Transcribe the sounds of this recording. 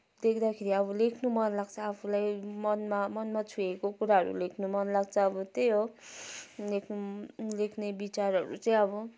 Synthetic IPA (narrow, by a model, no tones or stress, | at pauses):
d̪ekʰd̪akʰeɾiʌbʌlekʰnumʌnlaɡt͡sʰʌːpʰulajmʌnmamʌnmat͡sʰuekokuɾaɦʌɾṵlekʰnumʌnlaɡt͡sʰʌːbʌt̪ejɦo | lekʰnulekʰnebit͡sarʌɾṵt͡sʌj̃ʌbʌ